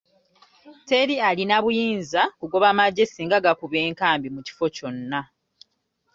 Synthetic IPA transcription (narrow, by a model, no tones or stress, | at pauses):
te̞ɾialinaβujiːnzakuɡo̞βamaɟːe̞siːŋɡaɡakuβe̞ːŋkaːmbimuci̥fo̞co̞nːa